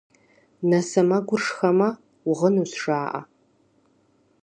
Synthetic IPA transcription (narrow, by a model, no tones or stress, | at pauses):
nɐsɐmɐɡʷʊrʂxɐmɐ | ʊʁənusʂaːʔɐ̰